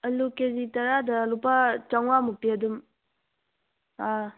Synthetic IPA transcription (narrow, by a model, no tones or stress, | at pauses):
ɐlukezitɐɾadɐlupat͡ʃaŋwamupiɐdum | a